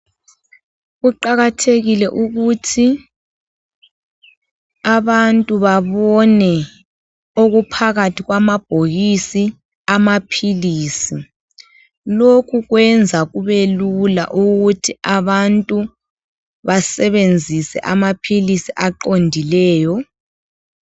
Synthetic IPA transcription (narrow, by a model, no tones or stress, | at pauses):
ɣuǃaɣatʰeɣilɛʔuɣutʰi | aβantʼuβaβɔnɛ | oɣupʰaɣatʰiɣwamab̥ʱoɣisi | amapʰiliːsi | lokʰuɣwɛnd͡zʱaɣuβelula̰ʔuɣutʰiaβantʼu | βasɛβend͡zʱisɛ̰ʔamapʰilisiʔaǃondʱilɛːjɔ